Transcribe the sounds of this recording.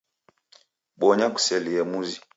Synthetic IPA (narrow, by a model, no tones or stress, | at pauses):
ɓɔɲaku̥sɛliɛmuzi